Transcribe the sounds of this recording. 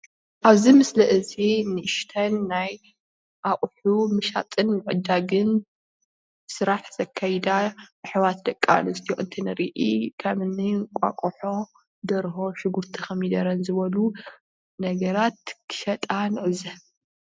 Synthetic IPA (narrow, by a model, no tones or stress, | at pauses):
ʔaβzimɨslɐʔɨzinɨʔɨʃt̪ʰɐnːaj | ʔaχʼħumɨʃa̰t̪ʼɨnmɨʕɨd̪ːaɡɨn | sɨɾaħz̥ɐkʰːajid̪abɨħɨwat̪d̪ɐkʼːa̰nɨst̪ʰijoʔɨnt̪ʰinɐɾiʔikʰɐmɨnikʷʼa̰kʼuħo̞ | d̪ɐɾɦo̞ʃɨɡuɾt̪ʰixɐmid̪ɐɾɐnzɨβɐlu | nɐɡɐɾat̪̚kʰɨ̥ʃɐt̪ʼanɨʔɨzɐ